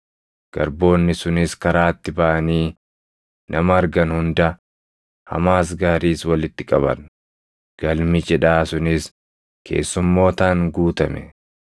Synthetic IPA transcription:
ɡ̥ɐɾbo̞ːnːɪsʊnɪskɐɾaːt̪ːɪbɐʔɐniː | nʔɐmɐːɾɡɐnhʊnd̪ɐ | hɐ̰maːs̬ɡaːɾiːswɐlɪt̪ːɪkʼɐβɐ̰n | ɡ̥ɐlmɪt͡ʃʼɛᶑaːsʊnɪs | kʰe̞̰ːsːʊmːo̞ːt̪aːŋɡuːt̪ɐmɛ̰

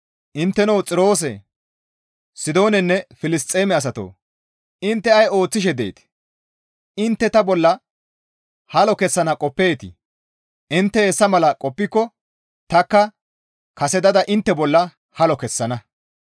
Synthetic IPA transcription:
ʔɪnt̪ːɛnɐwt͡sʼɪɾo̞ːs̬ɛ̰ | sɪd̪o̞ːnɛnːɛfɪlɪst̪ʼeːmɛɐs̬ɐt̪o̰ː | ɪnt̪ːɛɐjo̞ːt͡sːɪʃ̬ɛd̪ḛjt̪ | ɪnt̪ːɛt̪ɐbɔlːɐ | hɐlɔkɛsːɐnɐkʼɔpːe̞ːt̪ɪ̰ | ʔɪnt̪ːɛɛsːɐmɐlɐkʼɔpːɪkːɔ | t̪ɐkːɐ | kɐsɛd̪ɐd̪ɐʔɪnt̪ːɛbɔlːɐ | hɐlɔkɛsːɐnɐ

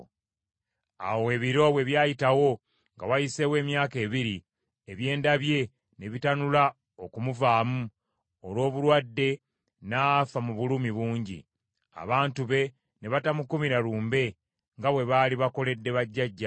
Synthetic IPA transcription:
a̰woe̞βiɾo̞βwe̞βjaːjitawo̞ | ŋɡawajise̞we̞ːmjaːke̞ːβiɾi | eβje̞ːndaβje̞ | ne̞βitanula | o̞kumuvaːmu | olwo̞ːβulwadːe̞ | nafamuβulumiβuːɲɟḭ | a̰βaːntuβe̞ | ne̞βatamukumiɾaɾuːmbe̞ | ŋɡaβwe̞βaːliβako̞le̞dːe̞βaɟːaɟːa

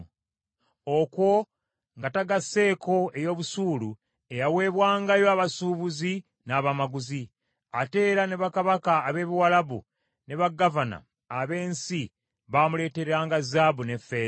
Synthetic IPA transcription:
okwo̞ | ŋɡataɡasːe̞ːko̞e̞jo̞ːβusuːlu | e̞jawe̞ːβwaːŋɡajo̞aβasuːβuzi | naːβamaɡuzi | ate̞ːɾane̞βakaβakaːβe̞ːβiwalaβṵ | ne̞βaɡavana̰ | aβe̞ːnsi | βaːmule̞ːteɾaːŋɡazaːβune̞fːe̞

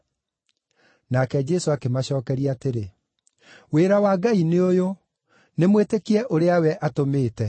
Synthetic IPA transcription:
nakɛd͡ʒɛsoakemaɕɔːkɛɾiateɾe | weːɾawaːɡaineojo | nemwetekiɛʔoɾeawɛʔatomeːtɛ

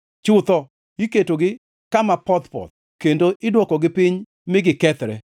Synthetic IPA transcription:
t͡ʃʊt̪ɔ | iketoɡɪ | kamapɔt̪pɔ̰t̪̚ | kendoʔɪdwɔkɔɡɪpɪɲ | mɪɡɪkɛt̪ɾɛ

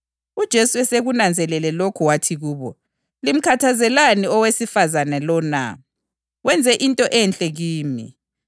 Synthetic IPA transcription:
ud̥ʒ̥ʱesuɛseɣunand͡zʱɛlɛlɛlokʰuwatʰiɣuːβɔ | lim̩kʰatʰazɛlaniɔwesifazanɛlɔna̰ | wɛnd͡zʱɛʔintʼɔʔɛnt͡ɬʼɛɣiːmḭ

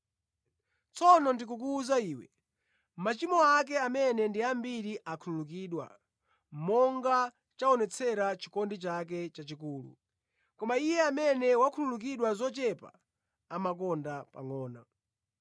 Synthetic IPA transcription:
t͡sʰɔnɔndikuk̬uːzaiːwɛ̰ | m̩mat͡ʃimɔak̬ɛamɛnɛndiambiɾiʔakʰululukiɗwa̰ | m̩mɔŋɡa | t͡ʃaɔnɛt͡sʰɛɾat͡ʃikɔndit͡ʃak̬ɛt͡ʃat͡ʃikuːlṵ | kɔmaijɛamɛnɛwakʰululuk̬iɗwazɔt͡ʃɛpa̰ | amak̬ɔndapa̰ŋɔːna̰

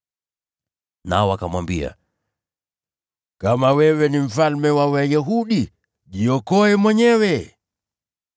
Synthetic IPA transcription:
naɔwakamwambia̰ | kamawɛwɛnim̩falmɛwawajɛɦuɗi | ʄiɔkɔɛmwɛɲɛwɛ

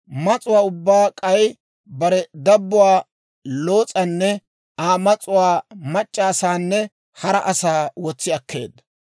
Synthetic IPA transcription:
mɐt͡sʼʊwaːʊbːaːkʼɐj | bɐɾɛd̪ɐbːʊwaː | lo̞ːt͡sʼɐnːɛ | aːmɐt͡sʼʊwaːmɐt͡ʃʼːaːsaːnːɛ | hɐɾɐʔɐsaːwɔt͡sːɪɐkːe̞̰ːd̪ːɐ

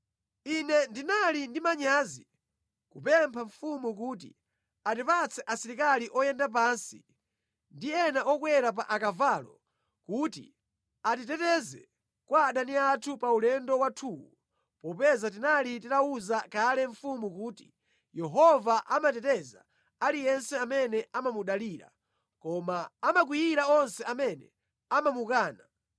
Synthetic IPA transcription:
inɛndinalindimaɲaːzi | kupɛmpʰaɱfumukuːt̬ḭ | atipat͡sʰɛʔasiɾikaliʔɔjɛndap̬ansi | ndiɛnaʔɔkwɛɾap̬aʔakavaːlɔ | kuːtḭ | atitɛtɛzɛ | kwaːɗaniatʰupaulɛndɔwatʰuːwu | pɔpɛzat̬inalititauzakalɛɱ̩fumukuːti̥ | jɛɦɔvaʔamatɛtɛza | alijɛnsɛamɛnɛʔamamuɗaliːɾa̰ | kɔmaːmak̬wijiɾaɔnsɛamɛnɛ̰ | amamukaːna

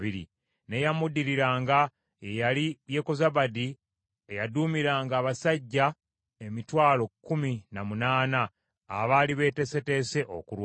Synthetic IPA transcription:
iɾḭ | ne̞jamudiɾiɾaːŋɡa | ejalijeko̞zaβadi | ejaduːmiɾaːŋɡaːβasaɟːa | e̞mitwaːlo̞kːuminamunaːnaː | βaliβe̞ːte̞se̞te̞se̞ʔo̰kuɾw

